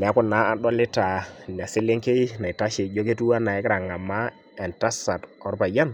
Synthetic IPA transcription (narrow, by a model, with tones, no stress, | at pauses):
mɛ˨a˦kʊ˦nːa˦a˨ɗɔ˦lɪ˦ta˨n˨a˨sɪ˦lɪ˦ŋke˦jna˨i˨ta˦ʃɪ˨jo˦ke˦tu˦a˦na˨ɪ˦kɾa˨ŋa˨ma˦ | ɛ˨nta˦sa˨tɔ˦ɾpa˨ja˦n